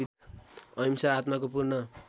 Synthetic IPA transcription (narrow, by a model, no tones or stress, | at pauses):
i | ʌjmsaːt̪makopurnʌ